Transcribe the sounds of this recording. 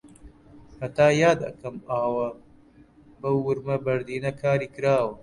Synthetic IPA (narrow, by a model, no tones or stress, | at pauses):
hɐt̪aːjaːd̪ɐ̰kɐmaːwɐ | bɐwːʊɾmɐbɐɾd̪iːnɐkʰaːɾiːkɨɾaːwɐ